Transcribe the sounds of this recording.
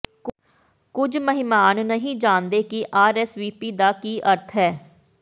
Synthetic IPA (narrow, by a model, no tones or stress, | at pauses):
k | kʊd͡ʒməɦɪmaːnnəɦĩːd͡ʒãːnd̪eːkɪʔaːɾɛːsʋiːpiːd̪aːkiːʔəɾt̪ʰɦɛː